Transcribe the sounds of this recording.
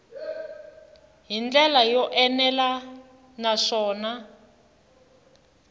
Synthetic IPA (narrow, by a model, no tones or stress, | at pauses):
ɦind͡ɮɛlajɔʔɛnɛla | naʂɔːna